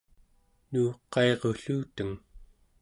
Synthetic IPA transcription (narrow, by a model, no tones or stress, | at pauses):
nuːqɑe̞ʁoɬuːt̪əŋ